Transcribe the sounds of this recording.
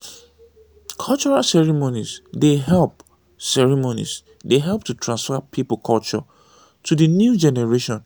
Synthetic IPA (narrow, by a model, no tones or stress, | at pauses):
kʰɔlˠt͡ʃɔɹalsɛɹimonizdeɦɛlp̚ | sɛɹimonḭz | deɦɛlˠp̚tutʰɹãnsfapʰiplkʰɔlt͡ʃɔ̰ | tudɨnjud͡ʒɛnɛɹeʃɔ̃n